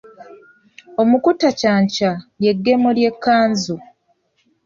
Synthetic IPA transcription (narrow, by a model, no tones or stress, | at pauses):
o̞mukutacaːɲcajje̞ɡːe̞molje̞kːaːnzu